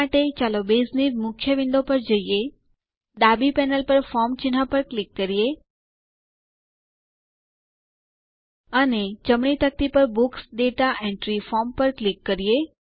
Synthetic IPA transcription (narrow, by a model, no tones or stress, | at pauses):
aʈet͡ʃalobezniɾmʊkʰːjəʋɪ̃nd̪opəɾd͡ʒəije | d̪abipɛnəlpəɾfɔɾmt͡ʃɪnɦapəɾklikːəɾije | əned͡ʒəmɳit̪ək̚t̪ipəɾbuksd̪et̪aʔẽɳʈɾifɔmpəɾklikːəɾije